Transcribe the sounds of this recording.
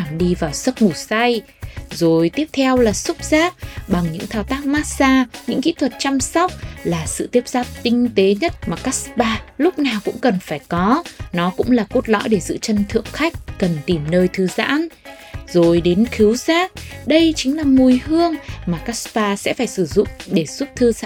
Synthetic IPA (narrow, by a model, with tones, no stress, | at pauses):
a˧˩mɗi˧vaː˨˩wsə˦˥k̚ŋu˧˩sa˧j | zo˨˩jt̪i˦˥əp̚t̪ʰɛ˧wlaː˨˩sʊ˦˥k͡p̚z̥aː˦˥k̚ɓa˨˩ŋɲɨ̰˧˥ŋt̪ʰaː˧˩wt̪aː˦˥k̚maː˦˥t̚saː˧ɲɨ̰˧˥ŋkḭ˧˥t̪ʰwə˨˩t̚t͡ɕa˧msɔ˦˥wk͡p̚laː˨˩sɨ̰˧˨t̪i˦˥əp̚zaː˦˥p̚t̪ï˧ŋ̟t̪e˨˦ɲə˦˥t̚maː˨˩kaː˦˥k̚spaː˧lʊ˦˥k͡p̚naː˨˩wkʊ̰˧˥ŋ͡mkə˨˩nfaː˧˩jkɔ˨˦nɔ˨˦kʊ̰˧˥ŋ͡mlaː˨˩ko˦˥t̚lɔ̰˧˥jɗe˧˩zɨ̰˧˨t͡ɕə˧nt̪ʰɨ̰˧˨əŋxa˦˥jk̟̚kə˨˩nt̪i˨˩mnəː˧jt̪ʰɨ˨˧za̰ː˧˥n | zo˨˩jɗe˨˦nxi˨˦wzaː˦˥k̚ɗə˧jt͡ɕï˨˦ŋ̟laː˨˩mu˨˩jhɨ˧əŋmaː˨˩kaː˦˥spaː˧sɛ̰˧˥faː˧˩jsɨ˧˩zʊ̰˧˨ŋ͡mɗe˧˩su˦˥p̚t̪ʰɨ˧